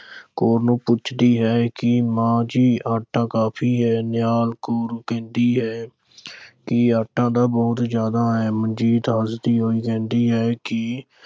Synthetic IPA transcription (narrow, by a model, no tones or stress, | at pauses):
koːɾnũːpʊt͡ʃʰd̪iːɦɛːkɪmãːd͡ʒiːaːʈːãːkaːpʰiːɦɛːnɪjaːlkoːɾkɛ̃ːnd̪iːɦɛː | kɪaːʈʰːãːd̪aːbɔːt̪zjaːd̪aːɦɛːmənd͡ʒiːt̪ɦaːsd̪iːɦoːiːkɛ̃ːnd̪iːɦɛːkɪ